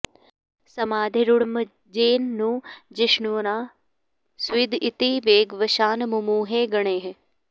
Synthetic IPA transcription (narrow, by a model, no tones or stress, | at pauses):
sɐmaːd̪ʱiɾʊɽmə | d͡ʒeːnːũːd͡ʒɪʃɳuʋnaː | sʋid̪ʱɪt̪iʋeːɡʋəʃaːnmumuːɦeːɡɐɳ̃eːɦ